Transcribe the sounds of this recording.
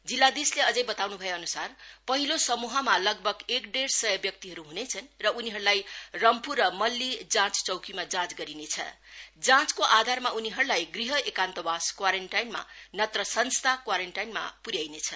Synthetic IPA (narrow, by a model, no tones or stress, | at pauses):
d͡zilːad̪isleʌd͡zʌjbʌt̪awnubʱʌjoːnusarpʌɦilosʌmuɦʌmalʌɡbʱʌɡekɖeɾsʌjʌbjʌk̚t̪iɦʌɾuɦunet͡sʰʌnrʌuniɦʌɾulajrʌmpʰurʌmʌlːid͡zãt͡st͡sʌwkimad͡zãt͡sɡʌɾinet͡sʰʌ̰ | d͡zãt͡skoʔad̪ʱarmauniɦʌɾulajɡriɦʌʔekant̪ʌbaskwaɾeɳʈajnma̰nʌt̪rʌsʌnst̪ʰakwaɾeɳʈajnma̰puɾjajnet͡sʰʌ